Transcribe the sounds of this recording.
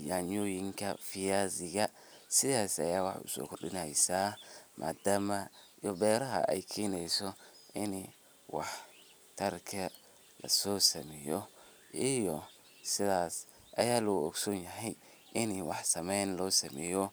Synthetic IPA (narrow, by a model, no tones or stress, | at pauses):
jaːɲɔːjɪŋkʰɐfɪjaːzɪɣɐ | sɪðaːsɐ̰jaːwɑħʊ̰sɔ̰ːkʰʊrɗɪnɛjsaːmʔa̰ːd̪aːmɐijɔbɛːɾɐɦɐ̰ʔɛ̰jkʰɛːnɛjsɔʔɪn | wɑ̰ħ | t̪ʰɐrkʰɐ | lɐ̰sɔːsɐmɛːjɔ | ʔijɔ | sɪðaːs | ʔɐjaːlɔɣɔɡsɔnjɐɦɛj | ʔɪniwɑħsɐmɛnlɔːsɐmɛːjɔ